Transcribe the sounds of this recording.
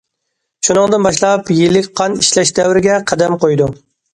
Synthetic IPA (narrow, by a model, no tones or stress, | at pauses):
ʃunɨŋd̪ɨnbɑʃlˠɑpjilːɪkʲqʰɑniʃlɛʃd̪ɛwɾɪɡʲɛqʰæd̪ɛmqojd̪u